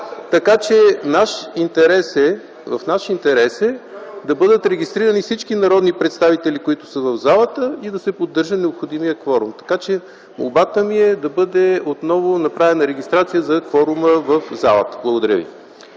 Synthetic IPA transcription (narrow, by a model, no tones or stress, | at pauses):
t̪ɐkat͡ʃɛnaʃint̪ɛɾɛsɛ | vɐfnaʃint̪ɛɾɛsɛd̪ɐbɤd̪ət̪ɾɛɡʲist̪ɾiɾənifsit͡ʃkinɐɾɔd̪nipɾɛt̪st̪avit̪ɛlikoit̪ʊ̥səvɐvzalˠət̪əid̪ɐsɛpod̪ːɤɾʒət̪nɛopxod̪imijəkvɔɾʊmt̪ɐ̥kat͡ʃɛ | mo̰lˠbat̪əmiɛd̪ɐbɤd̪ɛot̪nɔvʊnɐpɾavɛnɐɾɛɡʲist̪ɾat̪sijəzɐkvɔɾuməvɐfza̰lˠə̰t̪ə̥blˠəɡod̪ɐɾʲjə̰vḭ